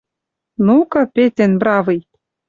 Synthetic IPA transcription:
nukɤ̆pet̪ĕnbɾɑvɯj

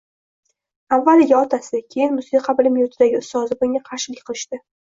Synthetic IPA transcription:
avːalɪɡʲaɒt̪ʰasɪkʲʰejɪnmʊsiqʰɑbɪlɪmjʊt̪ʰɪd̪aɡʲɪʊst̪ɒzɪbʊŋʲaqʰɑɾʃɪlɪkʲqɨlˠɪʃt̪ɪ

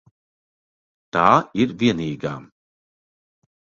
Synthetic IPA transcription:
t̪aːiɾviɛniːɡa̰ː

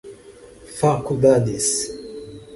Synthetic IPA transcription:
fakubad̪is

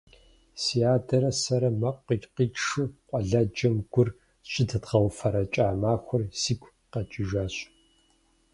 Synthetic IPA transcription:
sijaːdɐɾɐsɐɾɐmɐqʷːiqiːʂɨqʷʼɔɮɐd͡ʒɐmɡʷʊr | ɕʼɪdʰɨtʁɐwfɐɾɐt͡ʃʼaːmaːxʷʊrsiːkʷʰʼ | qɐt͡ʃʼɪʒaːɕʼ

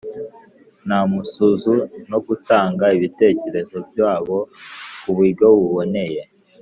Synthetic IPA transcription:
namusuzuno̞ɡutaːŋɡaiβite̞ːce̞ɾe̞zo̞bjaːβo̞kuβuiɡoβuβo̞ne̞je̞

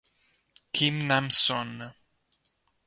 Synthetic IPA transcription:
kʰimnamsɔn

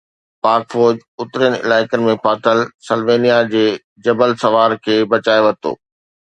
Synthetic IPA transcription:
paːɾkfoːd͡ʑʊt̪ɾən̆ɪ̰laːɪkənɪ̆mẽpaːt̪əlsəlʋeːnijad͡ʑeː | d͡ʑɐbəlsɐʋaːɾkʰeːbɐt͡ɕaːeʋɐt̪o̰ː

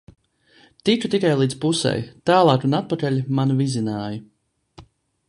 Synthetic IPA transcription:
t̪it͡ʃut̪ikajlˠiːd̪spusɛ̰jt̪aːlˠɑːkunat̪̚pakalʲimanuvizʲinaːjɐ

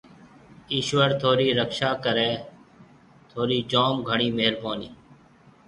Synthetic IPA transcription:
iːʃʋəɾt̪ʰoːɾiːɾəkʃaːkəɾeː | t̪ʰoːɾiːd͡ʒaːmɡʱəɳ̃iːmeɦɾbaːniː

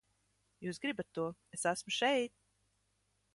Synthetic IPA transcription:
juːsɡɾibat̪ːuɔesæsmuʃɛjt̪̚

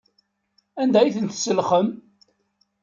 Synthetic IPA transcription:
ænd̪æjiθənt̪səlχəm

